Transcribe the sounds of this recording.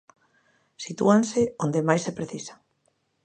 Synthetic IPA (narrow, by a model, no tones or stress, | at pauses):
sit̪uansɪond̪emajsepɾeθisḁ